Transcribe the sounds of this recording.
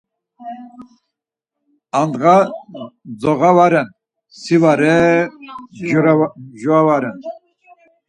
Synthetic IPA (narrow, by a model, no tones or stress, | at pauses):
and̪ʁa | d͡zɔɣavaɾɛn | sivaɾɛ | ʒuawaɾɛn